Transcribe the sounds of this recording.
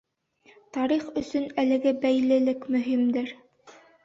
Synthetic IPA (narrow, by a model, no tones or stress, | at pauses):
t̪ɑɾiχɵ̆sɵnælɘ̆ɡɘbæjlɘ̆lɘkmɵ̆ɦimd̪ɘɾ